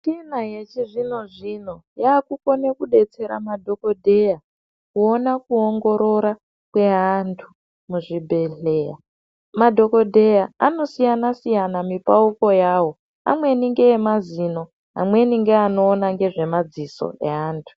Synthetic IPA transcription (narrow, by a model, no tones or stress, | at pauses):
tinajet͡ʃiʐino̞ʐino̞jaːkuko̞nekuɗe̞t͡se̞ɾa̰madʱo̞ko̞dʱeja | kuonakuoŋɡo̞ɾo̞ɾa | kwe̞ɦantʰu | muʐibʱe̞ɮeːja | madʱo̞ko̞dʱe̞jaano̞sijanasijanamipauko̞jaːwo̞ | a̰mwe̞niŋɡe̞ːmazino̞ | ɦa̰mwe̞niŋɡeano̞ːnaŋɡe̞ʐe̞mad͡ziso̞̰eɦaːntʰu̥